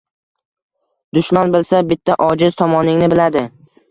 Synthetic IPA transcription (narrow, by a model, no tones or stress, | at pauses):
d̪̥ʊʃmanbɪlsabɪt̪ʰːaʔɒd͡ʒɪz̥t̪ʰɒmɒnɪŋnɪbɪlad̪ɪ